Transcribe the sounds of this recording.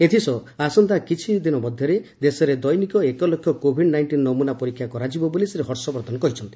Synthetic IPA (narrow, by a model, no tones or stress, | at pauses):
et̪ʰisɔasɔnt̪akit͡ʃʰid̪inɔmɔd̪ʱjɔɾed̪esɔɾed̪ɔjnikɔekɔlɔkʰjɔkobʱiɖnajɳʈinːɔmunapɔɾikʰːjakɔɾad͡ʒibɔboliseɾeɦɔɾsɔbɔɾd̪ʱɔnɔkɔɦit͡ʃʰɔnt̪i̥